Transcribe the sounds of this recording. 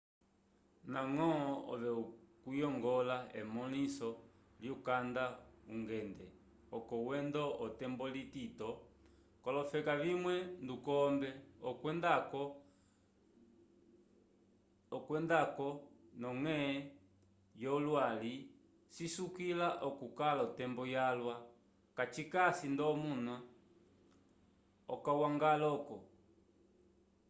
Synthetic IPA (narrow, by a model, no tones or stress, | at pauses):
naŋɔɔ̰ʋɛukujɔŋɡɔlaɛmɔlisɔ | ljukandauŋɡɛndɛ | ɔkɔwɛndɔʔɔtɛmbɔlititɔ | kɔlɔfɛkavimwɛndukɔmbɛɔndak | ɔkwɛndakɔnɔŋɛ | jɔlwali | sisukilaʔɔkukalaɔtɛmbɔjalwa | kat͡ʃikasindɔmuna | ɔkawaŋɡalɔkɔ